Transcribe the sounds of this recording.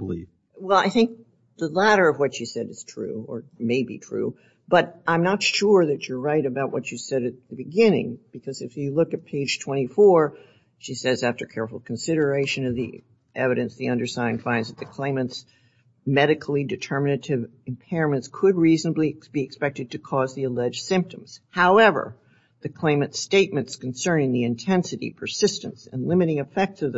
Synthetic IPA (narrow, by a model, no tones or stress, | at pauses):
lḭ | wɛlˠa̰ɪθɪ̃ŋk̚ | ðəlæɾə˞ʌvwʌt͡ʃʃisɛɾɨz̥tʰɹ̥ʉ̰ə̰˞meɪbḭtʰɹ̥ʉ̰ | b̥ʌɾʔãɪ̃mnətʃʊɹðɨt͡ʃə˞ɹaɪɾɨbaʊʔ̚wʌt͡ʃɨsɛɾɨt̪̚ðɨbɨɡɪ̃nɪ̰̃ŋb̥ɨkʰʌzɨfjɨlʊkɨt̚pʰeɪd̥ʒ̥tʰw̥ɛ̃ɾ̃ifɔɹ | ʃisɛzæftə˞kʰɛɹfl̩ˠkʰn̩sɪɾə˞eɪʃɨ̃nʌvðḭ | ʔɛvɨɾɨ̃nsðiʌ̃ndə˞sãɪ̃nfãɪ̃nzðɨt̪̚ðɨkʰl̥ẽɪ̃mɨ̃nts | mɛɾɨkʰl̩ˠidɨtʰɜ˞mɨnɨɾɪv | ɨ̃mpʰɛɹɨ̃mɨ̃ntskʰɨd̚ɹiznəblikb̥iɨkspɛk̚tɨd̚tʰɨkʰɔzðiəlɛd͡ʒd̥sɪ̃mp̚tə̃mz̥haʊɛvə̰˞ | ðɨkʰl̥ẽɪ̃mɨ̃ntsteɪt̚mɨ̃ntskn̩sɜ̃˞nɪ̃ŋðiɨ̃ntʰɛ̃nsɨɾḭpʰə˞sɪstɨ̰̃nsɨ̃nlɪ̃mɨɾɪ̃ŋɨfɛk̚tsʌvðɨ